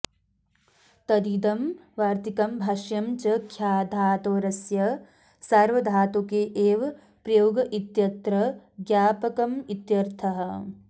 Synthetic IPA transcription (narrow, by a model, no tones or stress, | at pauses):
t̪ɐd̪iːd̪ɐmʋaːɾt̪ikɐmbʱɐʃjɐmt͡ʃɐkʰjaːd̪ʱaːt̪oːɾɐsjɐ | saɾʋɐd̪ʱaːt̪okeːʔeːʋɐ | pɾɐjoːɡɐʔit̪jɐt̪ɾɐɡjaːpɐkɐmit̪jɐɾt̪ʰɐɦɐ̆